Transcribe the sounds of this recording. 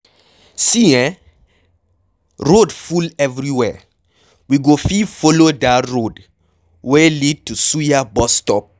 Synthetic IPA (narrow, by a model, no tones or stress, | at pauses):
siɛ̃ | ɹodfulɛvɹiwɛ | wiɡofifolodaɹod | wɛlid̚tusujabɔstɔp̚